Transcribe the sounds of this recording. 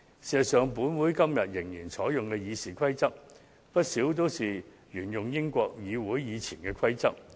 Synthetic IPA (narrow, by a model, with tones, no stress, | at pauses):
siː˨˩sɐ˨t̚sœː˨ŋpuː˨˥nwuː˨˥jkɐ˥mjɐ˨t̚jɪ˨˩ŋjiː˨˩nt͡sʰɔː˨˥jjʊ˨ŋkɛ˧jiː˨˧siː˨˩kʰɐ˥jt͡sɐ˥k̚ | pɐ˥t̚siː˨˥wt̪o˥wsiː˨ | jyː˨˩njʊ˨ŋjɪ˥ŋkʷɔː˧k̚jiː˨˧wuː˨˥jjiː˨˧t͡sʰiː˨˩nkɛː˧kʰɐ˥jt͡sɐ˥k̚